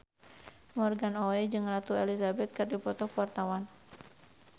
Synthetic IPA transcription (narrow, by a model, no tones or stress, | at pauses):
mɔrɡanɔɛd͡ʒɨŋrat̪uelizabɛt̪̚kɨrdipɔt̪ɔhpuart̪awan